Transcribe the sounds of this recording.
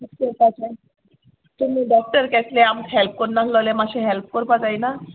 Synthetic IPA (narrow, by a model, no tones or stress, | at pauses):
keɾpat͡sa | t̪umiːɖɔk̚ʈəɾkɛt̪leamkɦɛlp̚kɔɾnaslɔlemaɕeɦɛlp̚kəɾpat͡sajna